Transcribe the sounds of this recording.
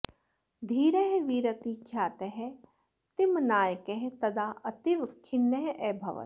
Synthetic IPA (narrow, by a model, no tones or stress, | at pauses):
d̪ʱiːɾeɦeʋiːɾɐt̪ikʰjaːt̪eɦɛ | t̪ɪmnaːjkeɦet̪ɐd̪aːʔɐt̪iʋkʰɪnːeɦʔɛːbʱɐʋɐ̰t̪